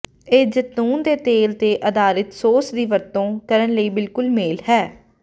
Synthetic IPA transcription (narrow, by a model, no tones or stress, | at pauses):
eːd͡ʒət̪uːnd̪eːt̪eːlt̪eːʔəd̪aːɾɪt̪soːsd̪iːʋəɾt̪õːkəɾənləiːbɪlkʊlmeːlhɛː